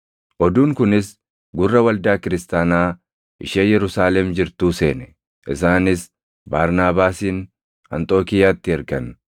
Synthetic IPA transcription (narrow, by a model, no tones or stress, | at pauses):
ʔɔd̪uːŋkʊnɪs | ɡʊrːɐwɐld̪aːkɪɾɪst̪aːnaː | ʔɪ̰ʃeːjɛɾʊsaːlɛmd͡ʒɪɾt̪uːse̞̰ːnɛ̥ | ʔɪ̰s̬aːnɪs | baːɾnaːbaːsiːn | ɐ̰nt̪ʼoːkɪjaːt̪ːɪɛɾɡɐn